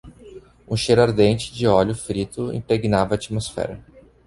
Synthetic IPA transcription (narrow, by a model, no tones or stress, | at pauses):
ũʃeɾaɾd̪ẽnt͡ʃɪ̥d͡ʒɪɔʎʊfɾit̪ʊḭ̃pɾeɡinavɐːt͡ʃimosfɛ̰ɾɐ